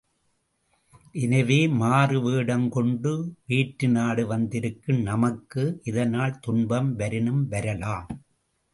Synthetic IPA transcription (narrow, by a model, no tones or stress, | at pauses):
ʔɪnɐʋeːmaːrɯʋeːɽɐmkɔɳɖɯʋiːʈɾɯnaːɽɯʋɐnd̪ɪɾɯkːɯmnɐmɐkːɯʔɪðɐnaːɭt̪ʊɳbɐmʋɐɾɪnɯmʋɐɾɐlaːm